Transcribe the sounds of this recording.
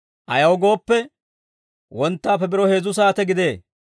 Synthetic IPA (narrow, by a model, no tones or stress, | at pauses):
ʔɐjɐwɡo̞ːpːɛ | wɔnt̪ːaːfɛbɪɾɔhe̞ːzʊs̬aːt̪ɛɡɪd̪e̞ː